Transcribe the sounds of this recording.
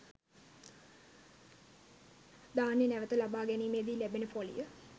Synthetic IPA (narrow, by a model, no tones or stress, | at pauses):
d̪aːnjənæʋət̪əlabaːɡæniːmeːd̪iːlæbenəfolḭjə